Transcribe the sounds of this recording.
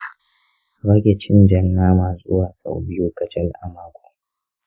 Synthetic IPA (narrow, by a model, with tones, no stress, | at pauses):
ba˦kʲe˨t͡ʃɪ˦nd͡ʒɐ˨nːaː˦maː˨zʼʊ˦waː˨sa̰˨wbɪ˦juː˦kɐ˨t͡ʃɛ˦lʔa˨maː˦kʷo̥˨